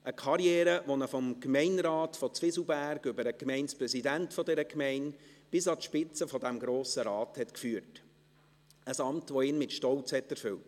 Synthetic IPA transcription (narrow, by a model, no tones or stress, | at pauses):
ʔəkʰɑɾjɛːɾəʋonəfɔmkmɛɪnɾɑːtfɔt͡sʋɪsl̩bæɾɡʏbəɾəkmɛɪnspɾɛsidæntfɔdɛɾəkmɛɪnb̥ɪsɑtʃpɪt͡səfɔdæmɡɾoːsəɾɑːthɛtkfyːəɾt | əsɑmtʋoɪːnmɪtʃtɔlt͡shɛtæɾfʏlt